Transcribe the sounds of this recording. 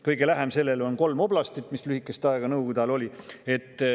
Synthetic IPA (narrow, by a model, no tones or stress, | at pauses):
kɤjɡ̥elæɦemse̞lːe̞lo̞nko̞lmo̞blɑst̪it̪ːˑmislyhikːˑest̪ɑeɡ̥ɑnɤwɡ̥od̪ɑlolʲie̞t̪ːˑ